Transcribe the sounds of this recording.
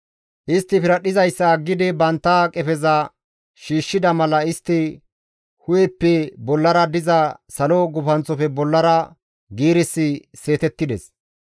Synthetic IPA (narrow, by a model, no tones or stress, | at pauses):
ʔɪst̪ːɪfɪɾɐɗɪzɐjsːɐɡːɪd̪ɪbɐnt̪ːɐkʼɛfɛzɐ | ʃiːʃːɪd̪ɐmɐlɐɪst̪ːɪ | hʊjɛpːɛbɔlːɐɾɐd̪ɪzɐsɐlɔɡʊfɐnt͡sːɔfɛbɔlːɐɾɐ | ɡiːɾɪsːɪse̞ːt̪ɛt̪ːɪd̪ɛs